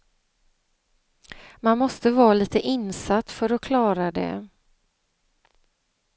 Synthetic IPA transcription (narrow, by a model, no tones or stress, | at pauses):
manmɔst̪əvɑːliːt̪əʔɪnsat̪ːfœɾɔkʰlɑːɾad̪ɛ̰